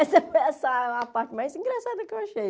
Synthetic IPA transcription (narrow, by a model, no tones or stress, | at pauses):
ɛsɐpɛsalapaɾt̪majzĩŋɡɾɐsad̪ɐukewɐʃej